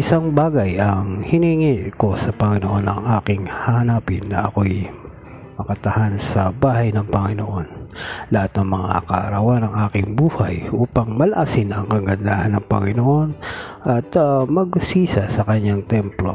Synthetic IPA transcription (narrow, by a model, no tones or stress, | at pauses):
ʔɪsaŋbaːɡɐjɐŋhɪniːŋiko̞sɐpɐŋɪnoʔo̞nʔɐŋʔaːkɪŋhahɐnaːpɪnːɐʔɐko̞j | mɐkɐt̪ɐhansɐbaːhɐjnɐŋpɐŋɪno̞ʔo̞nlɐhat̪̚nɐŋmɐŋa̰kɐʔɐɾawanɐŋʔaːkɪŋbuːhajʔuːpɐŋmɐlɐʔasɪnɐŋkɐɡɐnd̪aːhɐnːɐŋpɐŋɪnoʔo̞nʔɐt̪mɐɡ̚siːsɐsɐkɐɲaŋt̪ɛmplo̞̰